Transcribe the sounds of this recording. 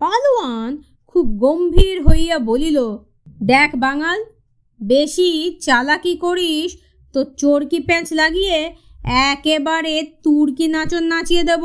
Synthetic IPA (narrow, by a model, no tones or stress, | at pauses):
paloan | kʰub̚ɡombʱiɾɦojjabolilo | d̪ɛkʰbaŋal | beʃit͡ɕalakikoɾiʃ | t̪ot͡ɕoɾkipɛ̃t͡ɕlaɡije | ɛkebaɾet̪uɾkinat͡ɕonːat͡ɕijed̪ebo